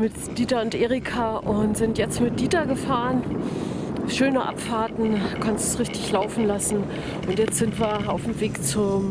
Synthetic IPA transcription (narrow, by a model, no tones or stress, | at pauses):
mɪt | d̥iːtaʊntʔeːʁikʰaːʔʊntz̥ɪntjɛt͡stmɪt̚d̥iːtaɡəfaːʁən | ʃøːnəʔa̰pfaɐtn̩kʰanstusʁɪçtɪçlaʊfn̩lasn̩ | ʔʊntjɛt͡stz̥ɪntviːɐaʊfm̩veːkt͡sʊm